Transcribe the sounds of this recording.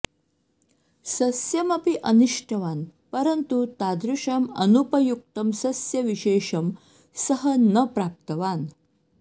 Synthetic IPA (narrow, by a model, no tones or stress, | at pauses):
sɐsjɐmɐpiʔɐnuʂʈʰɐʋanpəɾənt̪ut̪ad̪ɾuʂamɐ̰nupɐjuk̚t̪ɐmsɐsjɐʋiɕeʂɐm | səɦənəpɾap̚t̪əʋan